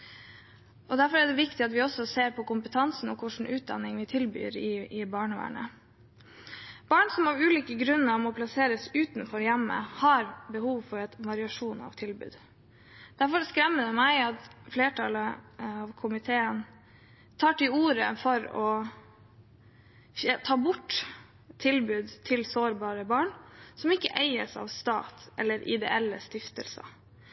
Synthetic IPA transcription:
ʔɔd̪æɾfɔɾæɖɛʋɪkt̪ɪɑt̪ʋɪɔsɔseːɾpʰɔkʊmpət̪ʰɑnsn̩ɔkʰʊʂn̩ʉːt̪̚d̪ɑ̰nːɪŋʋɪt̪ʰɪlby̰ːɾɪɪbɑːɳəʋæ̰ːɳə̰ | b̥ɑːɳsɔmɑʋʉːliːkəɡɾʉnːəɾɑʋmɔpʰlɑseːɾəsʉːt̪nfɔɾjæmːə̰hɑɾbəhuːʋfɔɾɛt̪ʋɑɾɪɑʂuːnɑ̰ʋt̪ʰɪlbʉ̰ːd̪ | d̪̥æɾfɔɾskɾɛmːəd̪ɛmæɪɑt̪fleːʈʰɑləɑʋkʰʊmɪt̪ʰeːən | t̪ʰɑːʈɪluːɾə̰fɔɾɔ | ft̪ʰɑːbʊʈː | t̪ʰɪlbʉːd̪t̪ʰɪlsoːɾbɑːɾəbɑːɳsɔmɪkːəʔeɪəsɑ̰ʋst̪ɑ̰ːt̪ʔɛlːəɾʔɪ̰d̪ɛ̰ʔɛlːə̰st̪ɪft̪əlsɑ̰

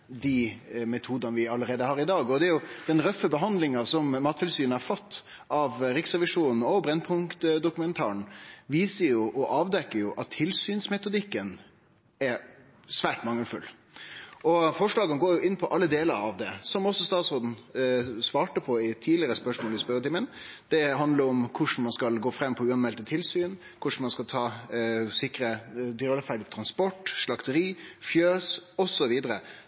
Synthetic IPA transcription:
d̪imɛt̪ʰuːd̪ɑnəʋɪɑlːəɾeːd̪əhɑːɾɪd̪ɑːɡɔd̪ɛæɾjʊd̪̥ɛnɾœfːəbəɦɑnd̪lɪŋɑsɔmmɑːt̪ʰɪlsyːnɑɾfɑt̪ː | ʔɑʋɾɪksʁɛʋɪʂuːnn̩ɔbɾɛnpʰʊŋkt̪d̪ʊkʉmɛnt̪ʰɑ̰ːəɳʋiːsəjʊʔɔʔɑːʋd̪ɛkːəjʊʔɑt̪ʰːɪlsyːnsmɛt̪ʊd̪ɪkːən | æɾ | sʋæːʈmɑŋːəlfʉ̰l | ɔfɔʂɭɑːɡənɡoːɾjʊʔɪnːpʰɔʔɑlːəd̪eːləɾɑʋd̪ɛsɔmɔsːɔst̪ɑːt̪sɾoːd̪n̩sʋɑːʈəpʰɔɪt̪ʰiːlɪəɾəspœʂmoːlɪspœɾət̪ɪmənd̪̥ɛɦɑnd̪ləɾɔmkʰʊʂɳ̩mɑnskɑlɡoːfɾɛmːpʰɔʉːɑnmɛlt̪ət̪ʰɪlsyːn | kʰʊʂɳ̩mɑnskɑlt̪ʰɑːsɪkɾəd̪ɔlfæɖɪt̪ʰɾɑnspɔʈːʂɭɑkt̪əɾiːfjøːsɔsɔʋiːd̪əɾə

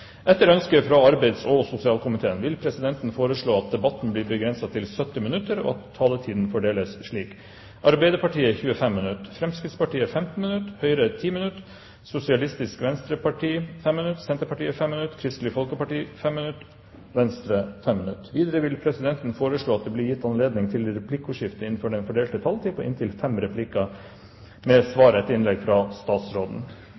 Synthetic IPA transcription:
ʔɛt̪ːəɾœnskəfɾɑɑɾbæɪd̪sɔsʊsɪɑːlkʊmɪt̪ʰeːənʋɪlpʰɾɛsɪd̪ɛnt̪n̩foːɾəʂɭoːɑt̪̚d̪ɛbɑt̪ːn̩bliːɾbəɡɾɛnsɑt̪ʰɪlsœt̪ːɪmɪnʉt̪ːəɾɔ̰ːɑt̪ʰːɑːlət̪ʰiːd̪n̩fɔɖeːləsʂɭiːk | ʔɑɾbæɪd̪əɾpɑʈiːəçʉːəfɛmːɪnʉt̪ːfɾɛmskɾɪd̪spɑʈʰiːəfɛmt̪n̩mɪnʉt̪hœʏɾət̪ʰiːmɪnʉt̪ | sʊsɪɑlɪst̪ɪskʋɛnst̪ɾəpɑʈʰiːfɛmːnʉt̪sɛnt̪əɾpɑʈiːəfɛmːɪnʉt̪ːkʰɾɪst̪lɪfɔlkəpɑʈiːfɛmːɪnʉt̪ː | ʋɛnst̪ɾəfɛmːɪnʉt̪ːʋiːd̪əɾəʋɪlpʰɾɛsɪd̪ɛnt̪nfoːɾəʂɭoːɑt̪̚d̪ɛblɪɾjɪt̪ːɑnleːd̪nɪŋt̪ʰɪlɾɛpʰlɪkːʊʂɪft̪əɪnn̩fɔɖɛnfɔɖeːlt̪ət̪ʰɑlt̪ʰɪpəʔɪ̰nt̪ʰɪlfɛmɾɛpʰlɪkːɑ | mɛsʋɑːɾəɛt̪ːɪnlɛɡfɾɑst̪ɑːt̪sɾoːd̪n̩

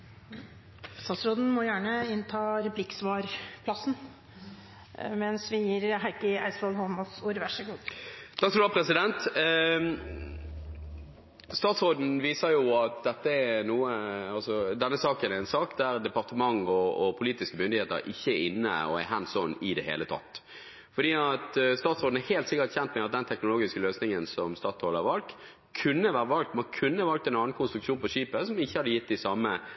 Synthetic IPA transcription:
st̪ɑːt̪sɾoːd̪n̩mɔjæːɳəɪnt̪ʰɑːɾɛpʰlɪksʋɑːɾpʰlɑsn̩ | mɛnsʋɪjiːɾɦæɪkəæ̰ɪsʋɔlɦɔnmɔsuːɾʋæʂəɡuːt̪ʰɑksɔɾɑpʰɾɛsɪd̪ɛnt̪ | st̪ɑːt̪sʁoːd̪n̩ʋiːsəjʊɑt̪̚d̪ɛt̪ːəɛnuːəɑlsɔd̪ɛnːəsɑːkənɛɪnsɑːkd̪æɾd̪ɛpɑʁt̪əmɑŋɔɔpʰʊliːt̪ɪskəmʏnd̪ɪheːt̪ə̰ɾʔɪ̰çːəɛɾɪnːə̰ɔ̰ɛ̰ɦɛnsɔnɪd̪ɛhḛːlət̪ʰɑ̰t̪ː | fɔɖ̪iːɑt̪st̪ɑːt̪sɾoːd̪n̩æheːlt̪sɪkːət̪çɛnt̪mɛɑt̪̚d̪ɛnt̪ʰɛknʊloːɡɪskəløːsnɪŋənsɔmst̪ɑːt̪sʰoːlɑɾʋɑlt̪ | kʰʉnːəʋæːɾəʋɑlk̚t̪mɛkʰʉnːəʋɑlkt̪ɛnɑːnkʰʊnst̪ɾʉkʃuːnpɔʃiːpəsɔmɪçːəhɑd̪əjɪt̪ːɪsɑmə

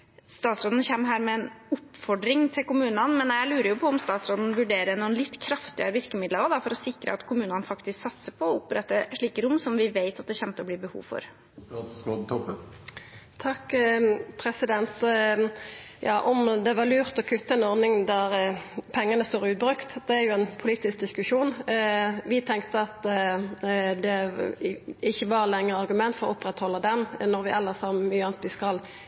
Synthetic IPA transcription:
st̪ɑːt̪sɾoːd̪n̩çɛmːɦæːɾmɛɛnʊpːfɔɖɾɪŋt̪ʰɪlkʊmʉːnɑnmɛnjæɪlʉːɾəjʊpʰɔɔmst̪ɑːt̪sɾoːd̪n̩ʋʉɖeːɾənuːənlɪt̪ːkʰɾɑft̪ɪəɾəʋɪɾkəmɪd̪ləʋəd̪ɑfɔɾɔsɪkɾə̰ɑt̪kʰʊmʉːnɑnfɑkt̪ɪsksɑt̪səpʰɔɔʊpɾɛt̪ːəʂɭiːkəɾʊmːsɔmʋɪʋeɪt̪ɑt̪̚d̪ɛçɛnt̪əɔblɪːbəhṵːʋfɔ̰ɾ | ɑd̪smɔt̪ʰɔpːə | t̪ʰɑkːpʰɾɛsɪd̪ɛnt̪ | jɑ̰ːʔɔmd̪ɛʋɑʁlʉːʁt̪ɔkʰʉt̪ːəɛnɔɾnɪŋd̪æɾpʰɛŋːənəst̪oːɾʉːt̪̚bɾʉkt̪d̪ɛæɾjʊænpʰʊliːt̪ɪsk̚d̪ɪskʉʂuːn | ʋɪt̪ʰɛŋkt̪əɑt̪ | d̪ɛ | ɪçːəʋɑɾlɛŋːəɾɑɾɡʉmɛnt̪fɔʁɔʊpɾɛt̪hɔlːəd̪ɛnnɔɾʋɪʔɛlːəsɑːmmyːəɑnt̪ʋɪskɑl

